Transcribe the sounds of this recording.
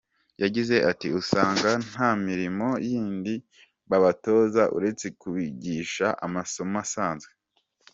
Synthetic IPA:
jaɟize̞ʔatiusaːŋɡan̥aːmiɾimo̞jiːndi | βaβato̞ːzaʔṵɾe̞t͡se̞kuβiɟiːʃaʔa̰maso̞masaːnzɡe

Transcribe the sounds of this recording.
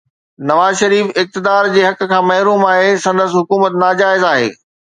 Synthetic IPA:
nɐʋaːzʃɐɾiːfɪk̚t̪ɪd̪aːɾd͡ʑeːɦɐk̆kʰãːmɐɦɾuːmaːɦesɐ̃nd̪əsɦʊkuːmət̪naːd͡ʑaːɪzaːɦḛː

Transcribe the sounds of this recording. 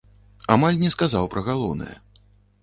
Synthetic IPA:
amalʲnʲɛskazawpɾɐɣalˠɔ̰wnɨ̰jɛ̰

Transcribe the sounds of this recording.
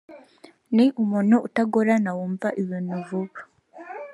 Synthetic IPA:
niʔumuːnuutaɡoɾanawuːmvaʔiβiːnuvuβa

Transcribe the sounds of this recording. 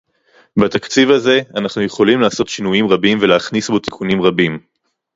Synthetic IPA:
bat̪akt͡sivaze̞anaχnuje̞χo̞limlaːso̞t̪ʃinujimʁabimveleaχnisbo̞t̪i̥kunimʁabim

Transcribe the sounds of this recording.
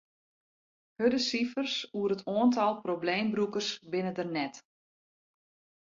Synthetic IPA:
hødəsifərsuəɾətoəntʰɔlˠprobleːmbrukərsbɪnədərnɛt

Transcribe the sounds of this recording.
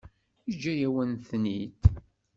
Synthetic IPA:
id͡ʒːæjæwənθnit̪

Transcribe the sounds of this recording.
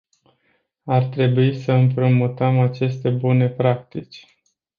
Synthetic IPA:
art̪ɾe̞buisəɨmpɾomut̪əmat͡ʃe̞st̪e̞bune̞pɾak̚t̪it͡ʃʲ

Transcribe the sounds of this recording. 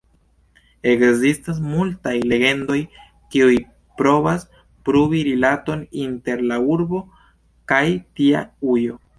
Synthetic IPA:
e̞kzistas̬multajle̞ɡe̞ndo̞j | kiuj | pɾo̞vas | pɾubiɾilato̞ninte̞ɾlauɾbo̞ | kajtia̰ujo̞

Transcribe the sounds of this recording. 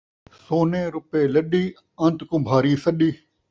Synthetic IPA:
soːnẽːɾʊpeːləɗiː | ɐnt̪kʊ̃bʱaːɾiːsəɗiː

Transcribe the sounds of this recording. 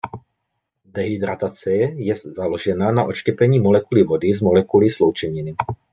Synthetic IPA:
d̪ɛɦid̪ɾat̪at͡sɛjɛzaloʒɛnanaʔo̞t͡ʃcɛpɛɲiːmolɛkulivodɪzmolɛkulislowt͡ʃɛɲɪnɪ

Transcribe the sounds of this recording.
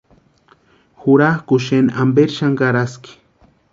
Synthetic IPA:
xʊɾahkʊʃenʔambeɾʃaŋɢaɾaskɪ̥

